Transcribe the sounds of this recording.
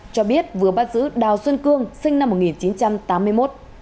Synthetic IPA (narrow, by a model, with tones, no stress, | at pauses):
t͡ɕɔ˧ɓi˦˥ət̚vɨ˨˩əɓaː˦˥t̚zɨ̰˧˥ɗaː˨˩wswə˧nkɨ˧əŋsï˧ŋ̟na˧mːo˨˩ŋi˨˩nt͡ɕi˨˦nt͡ɕa˧mt̪aː˨˦mːɨ˧əjmo˦˥t̚